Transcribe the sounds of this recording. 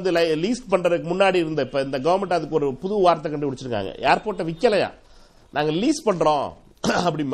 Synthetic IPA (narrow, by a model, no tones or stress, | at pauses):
nd̪ɯlɐliːsʈpɐɳrɐðɯkːɯmʊnːaːɽiɪɾɯnd̪ɐɪpːoːɪnd̪ɐɡɐʋɐɾmɛɳʈɐðɯkːɯɔɾɯpʊðɯʋɐʋaːɾt̪ːɐkɐɳɖɯʋɪɽɯt͡ʃːɪɾɯkːa̰ːŋɡɐ̰jeːɾpoːʈːɐʋɪkːɐlɐjã̰ː | nʔaːŋɡɐliːspɐɳːɾõː | ɐpːɐɽi